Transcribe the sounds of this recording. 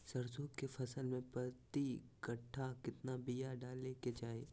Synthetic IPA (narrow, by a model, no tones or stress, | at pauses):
sɐɾsõːkkefʰɐsəlmẽpɐt̪ikɐʈʰːakɪt̪nabijaɖaːleked͡ʒaːḛː